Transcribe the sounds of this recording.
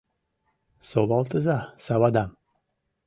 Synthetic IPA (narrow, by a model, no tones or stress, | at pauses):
solˠɑlˠt̪ɨzasawad̪am